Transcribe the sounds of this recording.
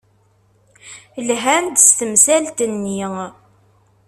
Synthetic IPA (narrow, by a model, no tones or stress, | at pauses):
lɦænd̪əst̪əmsælt̪ənːi